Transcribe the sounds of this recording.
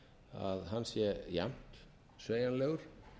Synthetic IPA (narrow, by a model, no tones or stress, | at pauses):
a̰ðɦanːsjɛja̰m̥t̪ | sveːjanlɛːɣʏɾ̥